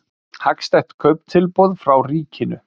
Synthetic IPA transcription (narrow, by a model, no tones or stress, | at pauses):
hakst̪ɛjht̪kʰœɥp̚n̥t̪ʰɪlpɔwðfɾawriːcɪnʏ̰